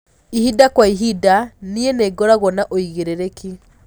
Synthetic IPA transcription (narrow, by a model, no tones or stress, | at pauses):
ihidakwaiɦidanieneːɡɔɾaɣɔnaʔoiɣeɾeɾeki